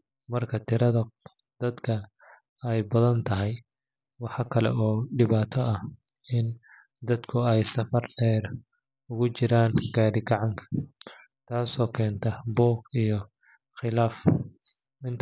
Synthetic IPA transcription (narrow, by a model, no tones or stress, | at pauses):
mɐrkʰɐt̪ʰɪɾɐðɐ | d̪̥ɐd̪kʰɐ | ɛjbɐðɐnt̪ʰɐɦɛj | wɑħɑkʰɐlɛ̰ɔːɖɪβaːt̪ʰɔɐ | ɪn | d̪ɐd̪kʰʊɛjsɐfɐrɖɛːr | ʊɣʊt͡ʃɪɾaːnɡaːɽɪɡɑʕɑŋkʰɐ̥ | t̪ʰaːsɔːkʰɛːnt̪ʰɐbɔːqijɞ | xɪlaːf | ɪnt̪ʰ